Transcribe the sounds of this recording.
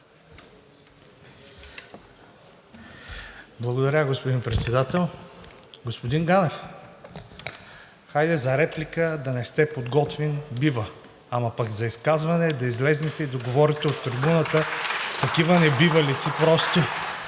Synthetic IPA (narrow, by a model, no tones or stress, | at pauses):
blˠɐɡod̪ɐɾʲaɡospod̪inpɾɛt̪sɛd̪at̪ɛlˠ | ɡospod̪inɡanɛf | xajd̪ɛzɐɾɛplikəd̪ɐnɛst̪ɛpod̪ɡɔt̪vinbivə | amɐpɐkzɐiskazvɐnɛd̪ɐizlɛznɛt̪ɛid̪oɡovɔɾit̪ɛoft̪ːɾibunət̪ət̪ɐkivənɛbivəlit̪sipɾɔst̪i